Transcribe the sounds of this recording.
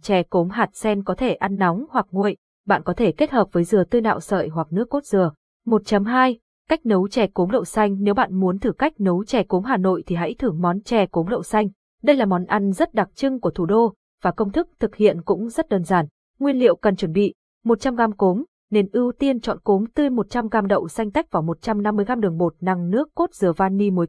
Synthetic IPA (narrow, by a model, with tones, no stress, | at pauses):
t͡ɕɛ˨˩ko˨˦mɦaː˨˩t̚sɛ˧nkɔ˨˦t̪ʰe˧˩ʔa˧nːa˨˦wŋ͡mhwa˨˩k̚ŋṵ˧˨ə˨j | ɓa̰ː˧˨nkɔ˨˦t̪ʰe˧˩ke˦˥t̚həː˨˩p̚vəː˨˦jzɨ˨˩ət̪ɨ˧jna̰ː˧˨wsə̰ː˧˨jɦwa˨˩k̚nɨ˦˥ək̚ːo˦˥t̚z̥ɨ˨˩ə | mo˨˩t̚t͡ɕə˨˦mɦaː˧j | ka˦˥jk̟̚nə˨˦wt͡ɕɛ˨˩ko˨˦mlə̰˧˨wsa˧jŋ̟ne˨˦wɓa̰ː˧˨nmu˨˦ənt̪ʰɨ˧˩ka˦˥k̟̚nə˨˦wt͡ɕɛ˨˩ko˨˦mɦaː˨˩no̰˧˨jt̪ʰi˨˩ɦa̰˧˥jt̪ʰɨ˧˩əŋmɔ˨˦nt͡ɕɛ˨˩ko˨˦mlə̰˧˨wsa˧jŋ̟ | ɗə˧jlaː˨˩mɔ˨˦nʔa˧˩n̟zə˦˥t̚ɗa˨˩k̚t͡ɕɨ˧ŋku˧˩ət̪ʰu˧˩ɗo˧ | vaː˨˩kə˧wŋ͡mt̪ʰɨ˦˥k̚t̪ʰɨ˨˩k̚hḭ˧˨ənkʊ̰˧˥ŋ͡mzə˦˥t̚ɗəː˧˩nzaː˧˩n | ŋwi˧ənlḭ˧˨əwkə˨˩nt͡ɕwə˧˩nɓḭ˧˨ | mo˨˩t̚t͡ɕa˧mɣaː˧mko˨˦m | ne˧nʔɨ˧wt̪i˧ənt͡ɕɔ̰˧˨nko˨˦mt̪ɨ˧jmo˨˩t̚t͡ɕa˧mɣaː˧mɗə̰˧˨wsa˧jŋ̟t̪a˦˥jk̚vaː˨˩wmo˨˩t̚t͡ɕa˧mna˧mːɨ˧əjxa˧mɗɨ˨˩əŋɓo˨˩t̚na˨˩ŋnɨ˦˥əkːo˦˥t̚z̥ɨ˨˩əvaː˧nːi˧mo˨˦j